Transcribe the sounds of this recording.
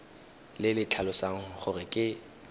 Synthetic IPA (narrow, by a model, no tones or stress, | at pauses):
lɪlɪt͡ɬʰalʊsaŋ̩χʊrɪkʼɪ